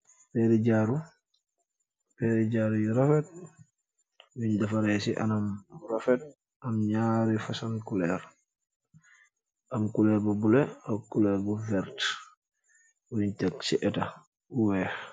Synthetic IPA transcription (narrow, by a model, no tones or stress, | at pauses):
pɛɾiɟaːɾu | pɛɾiɟaɾujiɾafɛt̚ | wiɲdafaɾɛsiʔa̰namɾafɛt̚ | amɲaɾifasankulɛɾ | ʔamkulɛɾbabulɛakulɛɾbufɛɾt | wuiɲtɛksiʔɛta | uwɛ